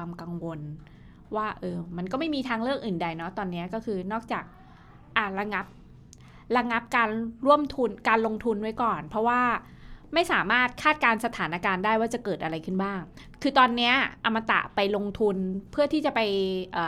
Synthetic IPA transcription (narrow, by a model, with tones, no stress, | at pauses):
aː˧mka˧ŋwo˧n | waː˥˩ʔɤː˧ma˧nkɔ˥˩ma˥˩jmiː˧t̪ʰaː˧ŋɾɯ˥˩ək̚ʔɯː˨˩nda˧jnɔ˦˥t̪ɔː˧nːi˦˥ɐkɔː˥˩kʰɯː˧nɔː˥˩k̚t͡ɕaː˨˩k̚ | ʔa˨˧˩ɾa˧ŋa˦˥p̚ | ɾa˧ŋa˦˥p̚kaː˧nɾu˥˩əmt̪ʰu˧nkaː˧nlo˧ŋt̪ʰu˧nwa˦˥jkɔː˨˩npʰɾɔ˦˥waː˥˩ | ma˥˩jsaː˩˦maː˥˩t̪̚kʰaː˥˩t̪̚kaː˧nsa˧t̪ʰaː˩˦na˧kaː˧ndaː˥˩jwaː˥˩t͡ɕa˨˩kɤː˨˩t̪̚ʔa˧ɾa˧jkʰɯ˥˩nbaː˥˩ŋ | kʰɯː˧t̪ɔː˧nːi˦˥ɐʔa˧mːa˧t̪a̰˨˩pa˧jlo˧ŋt̪ʰu˧npʰɯ˥˩ɐt̪ʰiː˥˩t͡ɕa˨˩pa˧jʔaː˨˩